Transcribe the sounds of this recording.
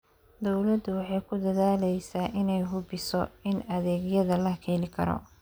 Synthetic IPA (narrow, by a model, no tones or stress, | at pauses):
d̪ɔwlɐd̪ʊwɑħɑjkʰʊd̪ɐðaːlɛjsaːʔɪnɛjɦʊbɪsɔɪnɐðɛːɡjɐðɐlɐkʰɛːlɪkʰɐ̰ɾɔ̰